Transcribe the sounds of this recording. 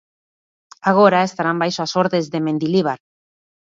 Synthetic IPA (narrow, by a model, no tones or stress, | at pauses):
aɣoɾaest̪aɾambajsoasoɾðezðemend̪iliβ̞aɾ